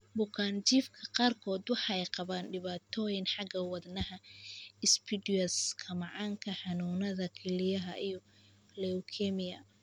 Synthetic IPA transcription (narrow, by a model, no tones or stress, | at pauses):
bʊkʰaːnt͡ʃiːfkʰɐqɑːrkʰɔːd̪wɑħɑjqɑβaːnɖɪβaːt̪ʰɔːjɪnħɑɡɐwɑd̪nɐɦɐɪspʰɪdɪɐskʰɐmɑʕɑːŋkʰɐħɑnuːnɐðɐkʰɛlɪjɐɦɐʔijɔ | lɛʊkʰɛmɪjɐ